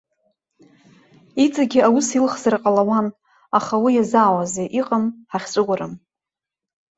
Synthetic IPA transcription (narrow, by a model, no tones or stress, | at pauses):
it͡sʼaɡʲɪawusilχzarqʼalawan | aχawijazaːwazeʔiqʼəmħaχʲt͡sʷʼɨɡʷaɾɨm